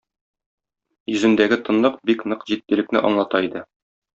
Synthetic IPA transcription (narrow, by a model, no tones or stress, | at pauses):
jɵ̆zɘ̆nd̪æɡɘt̪ɤ̆nlˠɤqbiknɤqʑit̪̚ːɘ̆lɘ̆k̚nɘʔɒ̰ɴlˠɑt̪ɑid̪ɘ